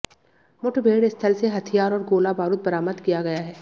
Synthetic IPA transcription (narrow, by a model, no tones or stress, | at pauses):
mʊʈʰbʱeːɽɪst̪ʰəlseɦɐt̪ʰijaːɾɔːɾɡoːlabaːɾʊt̪̚bɐɾaːməd̪kijaɡɐjaɦɛː